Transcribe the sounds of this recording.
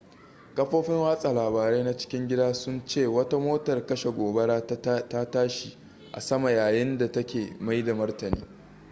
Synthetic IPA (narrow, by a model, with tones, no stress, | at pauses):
kɐ˦ɸoː˦ɸɪ˦ŋwaː˦sʼa˨laː˨baː˨ɾe˦na˦t͡ʃɪ̥˦kʲɪ˦ŋɡʲɪ˦daː˦sʊ˦nt͡ʃeː˦˨wɐ˦ta˦moː˦tɐ˨rkɐ˦ʃe˨ɡʷoː˨bɐ˦ɽaː˦ta˦taː˦ʃi˨ | ʔa̰˨sɐ˦ma˨jaː˨jɪ˦nda˨tɐ˦kʲeː˨ma˦jda˨mɐ˦rtɐ˨nḭː˦